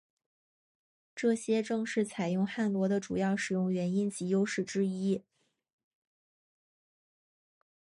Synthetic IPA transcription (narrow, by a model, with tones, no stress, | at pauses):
ʈ͡ʂɤ˥˩ɕjɛ˥ʈ͡ʂɤ˥˧ŋʂɻ̩˥˩t͡sʰa˨˩ɪjʊ˥˧ŋxa˥˩nlwɔ˧˥d̪ə˧ʈ͡ʂu˨˩jɑ˥˩ʊʂɻ̩˨˩jʊ˥˩ŋɥɛ˧˥ni˥nt͡ɕi˧˥jo˥ʊʂɻ̩˥˩ʈ͡ʂɻ̩˥i˥